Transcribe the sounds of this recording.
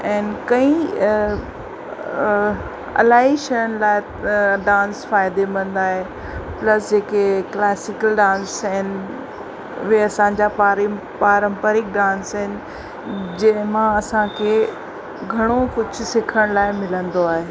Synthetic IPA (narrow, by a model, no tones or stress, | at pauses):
ɛ̃ːnɪkɐ̃ĩ | ɐ̰laːɦiʃɐjəɽ̃laːɪ | ɖãːnsfaːɪd̪emɐ̃nd̪aːɦe | plɐsd͡ʑeːkeklɛːsɪkəlɖãːnsɦɛːnɪ | ʋeɐsãːɲ̆d͡ʑapaɾ | paːɾə̃mpəɾɪk̚ɖãːnsɦɪnɪ̆ | d͡ʑɐ̃ɦɪ̃mãɐsãkʰe | ɡʱɐɽ̃okʊd͡ʑʱʊ̆sɪkʰəɽ̃laːɪmɪlə̃nd̪oaːɦeː